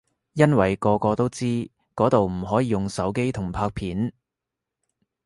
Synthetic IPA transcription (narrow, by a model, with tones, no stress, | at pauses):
jɐ˥nwɐ˨˩jkɔː˧kɔː˧t̪o˥wt͡siː˥ | kɔː˨˥t̪o˨wm̩˨˩ɦɔː˨˥jiː˨˧jʊ˨ŋsɐ˨˥wke˥jt̪ʰʊ˨˩ŋpʰaː˧k̚pʰiː˨˥n